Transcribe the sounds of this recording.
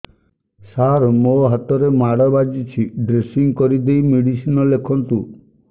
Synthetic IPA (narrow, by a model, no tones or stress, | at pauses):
saɾmoɦat̪ɔɾemaɽɔbad͡ʒit͡ʃʰiɖɾesiŋkɔɾid̪ejmiɽisinɔlːekʰɔnt̪u